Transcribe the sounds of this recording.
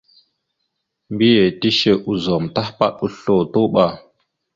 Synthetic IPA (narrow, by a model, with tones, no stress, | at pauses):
mbi˦je˨ti˦ʃe˦˨ʔu˨zo˨mta˦hpa̰˦ɗu˦ɬo˨to˦ɓa˦˨